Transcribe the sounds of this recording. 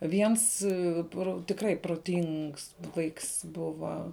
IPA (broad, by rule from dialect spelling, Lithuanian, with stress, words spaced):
ˈʋʲiɛns ˈproː tʲɪkˈrɐɪ proːˈtʲɪŋks ˈʋɐɪks ˈbʊʋɐ